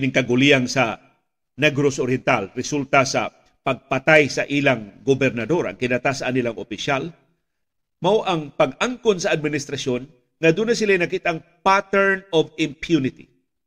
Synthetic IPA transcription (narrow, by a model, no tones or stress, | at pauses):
nɪŋkɐɡʊliaŋsɐ | nɛɡɾosoɾjɛnt̪alɾɛsult̪asɐ̰ | pɐɡ̚pɐt̪ajsɐʔilaŋɡobɛɾnɐd̪o̞ɾɐ̰ŋkɪnat̪asɐːnɪlaŋopɪʃal | mawʔɐŋpɐɡaŋkonsɐːd̪̚mɪnɪst̪ɾɐsjo̞n | ŋɐd̪unasɪlajnɐkit̪aŋpat̪ɛɹnovɪmpjunɪt̪ḭ